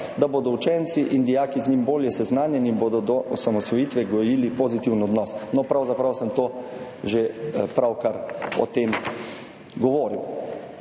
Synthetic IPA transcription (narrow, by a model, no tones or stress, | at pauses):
d̪aboːd̪ɔut͡ʃɛnt̪siʔind̪ijaːkizɲimboːljɛsɛznaːnjɛniːnboːd̪ɔd̪ɔʔɔsamɔsʋɔjiːt̪ʋɛɡɔjiːlipozit̪iwnɔd̪nɔsnɔpɾawzapɾawsɛmt̪oːʒepɾawkaɾɔ̰t̪em | ɡɔʋoːɾiw